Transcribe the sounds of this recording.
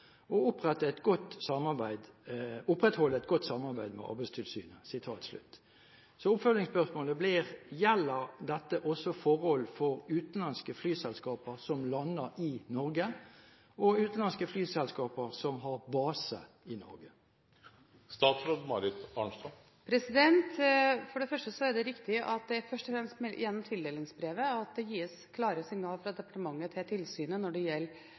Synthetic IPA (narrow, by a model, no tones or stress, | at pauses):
ɔʊpʁɛt̪ːəɛt̪ɡɔt̪ːsɑmɑʁbæɪd̪ʊpʁɛt̪hɔlːəɛɪt̪̚ɡɔt̪ːsɑmːɑʁbæɪd̪mɛ̰ʔɑ̰ɾbæɪst̪ʰɪlsy̰ːnəsɪt̪ʰɑːt̪slʉ̰t̪ː | sɔʊpfœlnɪŋspœʁsmoːləblɪʁjɛlːəʁd̪ɛt̪ːəʔɔsɔfɔʁhɔlːfɔʁʉːt̪n̩lɑnskəflyːsɛlskɑːpəʁsɔmlɑnːəɾɪnɔʁɡə | ɔʉːt̪n̩lɑnskəflyːsɛlskɑːpəʁsɔmɦɑɾbɑːsə̰ | ɪnɔ̰ɾɡə | st̪ɑːt̪sɾoːd̪mɑɾɪt̪ɑɳst̪ɑ | pʰɾɛsɪd̪ɛnt̪fɔɖɛfœʂʈəsɔæɖɛɾɪkt̪ɪʔɑt̪̚d̪ɛfœʂʈɔfɾɛmst̪mɛjɛnːɔmt̪ʰɪld̪eːlɪŋsbɾeːʋəɑt̪̚d̪ɛjiːskʰlɑːɾəsɪŋnɑːlfɾɑd̪ɛpɑ̥ʈəmɑŋːət̪ʰɪt̪ʰɪlsyːnənɔɖɛjɛlː